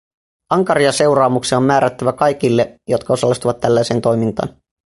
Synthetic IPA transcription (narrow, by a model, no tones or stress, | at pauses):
ɑŋkɑɾiɑse̞wɾɑːmuksiomːæːɾæt̪ːæʋækɑjk̟ilːe̞jo̞t̪kɑo̞sɑlst̪uʋɑt̪ːælːæjse̞ːnt̪o̞jmint̪ɑ̰ːn